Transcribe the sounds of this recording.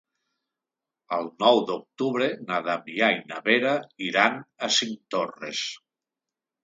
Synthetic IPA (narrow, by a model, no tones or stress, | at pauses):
əlˠnɔwd̪ok̚t̪uβɾenaðaβiainaβeɾaiɾanasiŋt̪orḛs